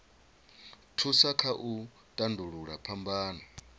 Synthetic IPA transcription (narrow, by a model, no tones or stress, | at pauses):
tʰusakʰaʔu | tʼanduɺuɺapʰambaːna